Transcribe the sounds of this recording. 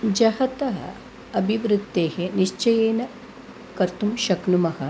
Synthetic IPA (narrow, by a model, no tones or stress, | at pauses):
d͡ʒɐhɐt̪ɐɦɐ̰ | ɐbʱiʋɾut̪ːeːheniʃt͡ʃɐjeːnɐ | kɐɾt̪umʃɐknumɐhɐ̆